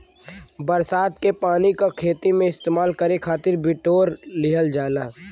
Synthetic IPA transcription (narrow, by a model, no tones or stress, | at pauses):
bəɾsaːt̪kepaːnikakʰeːt̪imẽɪst̪eːmaːlkɐɾekʰaːt̪ɪɾbɪʈoːɾlɪɦəld͡ʒaːlaː